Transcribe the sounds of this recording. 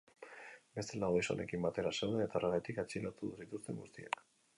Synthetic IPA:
be̞st̪elaoɣiso̞̰ne̞̰kimbat̪e̞ɾasewðeet̪aranet̪ikat͡ʃilat̪uðusit̪ust̪e̞ŋɡṵst̪ia̰k

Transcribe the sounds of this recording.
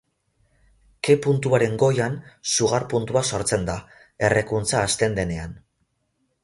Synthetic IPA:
ke̞punt̪uaɾe̞ŋɡo̞jansuɣ̞aɾpunt̪uaso̞ɾt͡se̞nd̪a | e̞rekunt͡saːst̪e̞nd̪e̞ne̞an

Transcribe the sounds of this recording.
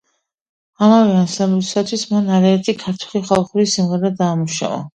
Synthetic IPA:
amavɛansambut̪ʰi̥sat̪ʰwismanaɾɛːɾt̪ʰikʰaɾt̪ʰu̥liχalˠχuɾisimʁɛɾɛd̪aːmuʃa̰va̰

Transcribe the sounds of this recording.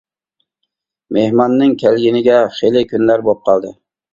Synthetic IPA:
mehmɑnːɪŋkʲʰælɡʲɪnɪɡʲɛχelɪkʲʰynlæɾbop̚qʰɑlˠd̪ɪ

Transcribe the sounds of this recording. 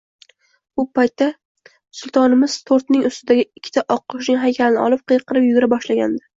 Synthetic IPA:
ʊpʰajt̪ːa | sʊlˠt̪ʰɒnɪmɪzt̪ʰoɾt̪nɪŋʊst̪ɪd̪aɡʲɪɪkʲʰːɪ̥t̪ʰaʔɒqʰːʊʃnɪŋɦajkʲʰalɪnɪɒ̰lˠɪp̚qʰɨjɨqʰːɨɾɪpjʊɡʲɪɾabɒʃlaɡʲa̰nd̪ɪ

